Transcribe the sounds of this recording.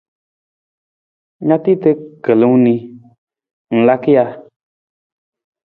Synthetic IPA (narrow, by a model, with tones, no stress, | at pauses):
ɲã˦t̪i˦t̪e˦kə˨le˨ŋũ˦nĩ˧ | ŋ̩˨la˦ki˦a˧